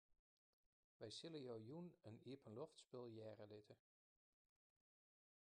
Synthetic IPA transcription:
ʋɛjsɪləjɔwjunənipʰənlɔftsbɪlˠjɛːrəlɪtʰə

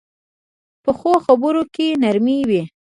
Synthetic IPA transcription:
pəxoxabəɾokenaɾmiwi

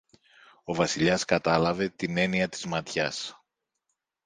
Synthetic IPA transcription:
o̞vɐsiʎɐskɐt̪ɐlɐve̞t̪ine̞niɐt̪i̥zmɐt̪çɐ̰s

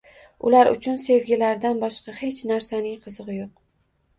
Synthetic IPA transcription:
ʊlaɾʔʊ̰t͡ʃʰʊnse̞vɡʲɪlaɾd̪anbɒʃqɑhe̞t͡ʃnaɾsanɪŋqʰɨzɨʁɨjoq̚

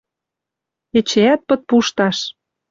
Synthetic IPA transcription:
et͡ɕeæt̪̚pɤ̆t̪̚puʃt̪ɑʃ

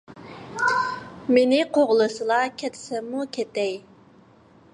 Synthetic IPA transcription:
menɪqʰoʁlˠɨsɨlˠɑkʲʰɛt̪ʰɪ̥sɛmːukʲʰet̪ɛj

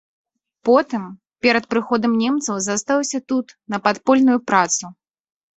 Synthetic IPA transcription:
pɔt̪ɨm | pʲɛɾɐt̪̚pɾɨxɔd̪ɐmnʲɛmt̪sɐwzast̪alwˠɐsʲɐt̪ut̪nɐpat̪pɔlʲnujupɾat̪su

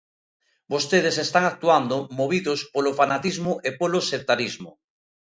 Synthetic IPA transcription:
bost̪eð̞esest̪aŋak̚t̪uand̪omoβ̞iðospolofanat̪izmoʔepolosep̚t̪aɾizmo

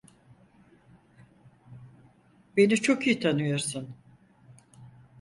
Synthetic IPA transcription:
be̞nit͡ʃʰo̞kijit̪ʰanɯjoɾsun

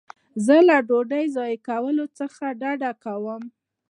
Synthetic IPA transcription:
zəlaɖoɖəjzɑjkawəlot͡səxaɖaɖakawəm

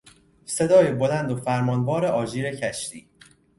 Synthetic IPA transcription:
se̞d̪ɒːjebo̞lænd̪ofæɾmɒːnbɒːɾe̞ʔɒːd͡ʒiːɾe̞cʰæʃt̪ḭː

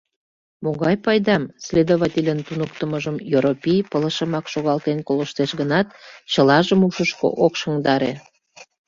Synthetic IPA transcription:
moɣɑjpɑjd̪ɑmsʲlʲed̪oβɑt̪ʲelʲənt̪unək̚t̪əməʒəmjoɾopʲijpələʃə̆mɑkʃoɣɑlt̪enkoləʃt̪eʃɣənɑt̪̚t͡ɕəlɑʒəmuʃəʃko̰ʔokʃəŋd̪ɑɾḛ

